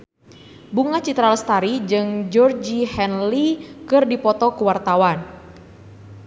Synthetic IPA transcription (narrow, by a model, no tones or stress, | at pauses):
buŋat͡ʃit̪ɾalst̪aɾid͡ʒɨŋd͡ʒɔrd͡ʒihɛnlikɨrdipɔt̪ɔkuwart̪awan